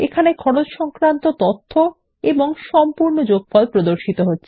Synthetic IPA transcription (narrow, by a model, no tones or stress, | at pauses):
ekʰanekʰɔɽot͡ɕʃɔŋkɾant̪ot̪ot̪ʰːo | eboŋʃɔmpuɾnod͡ʑoɡ̚fɔlpɾod̪oɾʃit̪oɦotːɕʰe